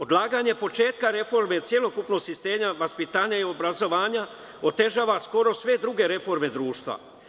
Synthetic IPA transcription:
o̞d̪lˠaːɡaɲe̞po̞t͡ʃe̞ːt̪kaɾe̞fo̞ɾme̞t̪sje̞lo̞kupno̞ɡsist̪eːɲaʋaspit̪aːɲaio̞bɾazo̞ʋaːɲa | ot̪e̞ʒaːʋasko̞ɾo̞sʋe̞d̪ɾuɡe̞ɾe̞fo̞ɾme̞d̪ɾuːʃt̪ʋa̰

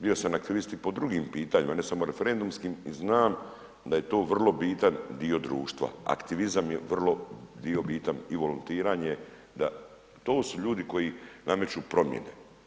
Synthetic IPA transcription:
bio̞samakt̪iʋist̪ipo̞d̪ɾuɡiːmpiːt̪aɲimane̞samo̞ɾe̞feɾe̞nd̪umskimiznaːm | d̪aje̞t̪o̞ːʋr̩lˠo̞biːt̪and̪io̞d̪ɾuːʃt̪ʋa̰a̰kt̪iʋizamjeʋr̩lˠo̞d̪io̞biːt̪aniʋo̞lunt̪iːɾaːɲe | d̪a | t̪o̞ːsuʎuːd̪iko̞jiname̞t͡ʃuːpɾo̞mjḛne̞̰

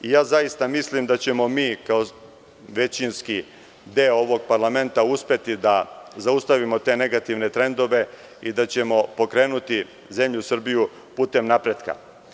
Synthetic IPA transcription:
ijaːzajist̪amislimd̪at͡ɕe̞mo̞miːkao | ʋe̞t͡ɕinski | d̪eooʋo̞ɡ̚paɾlˠame̞nt̪auspe̞t̪id̪azaust̪aʋimo̞t̪e̞ne̞ɡat̪iʋne̞t̪ɾe̞nd̪o̞ʋe̞ | id̪at͡ɕe̞mo̞po̞kɾe̞ːnut̪i | ze̞mʎusr̩biju | puːt̪e̞mnapɾe̞d̪ka̰

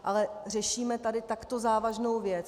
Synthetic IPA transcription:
ʔalɛr̝ɛʃiːmɛt̪adɪt̪akt̪o̞zaːvaʒno̞wvjɛt͡s

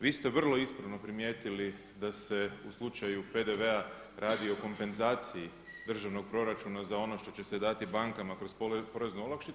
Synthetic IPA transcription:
ʋiːst̪eʋr̩lˠo̞ispɾaʋno̞pɾimje̞ːt̪ili | d̪ase̞uslˠut͡ʃajuped̪e̞ʋe̞a | ɾʔaːd̪io̞ko̞mpe̞nzaːt̪siji | d̪r̩ʒaʋno̞ɡ̚pɾo̞ɾat͡ʃunazao̞no̞ʃt̪o̞t͡ɕe̞sed̪at̪ibaŋkamakɾo̞spopo̞ɾe̞znuolakʃt̪i

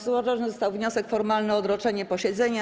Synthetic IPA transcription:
suvaʐaʐzɔst̪awvɲɔsɛkfɔɾmalnɘɔd̪ɾɔt͡ʂɛɲɛpɔɕɛd̪zɛɲa

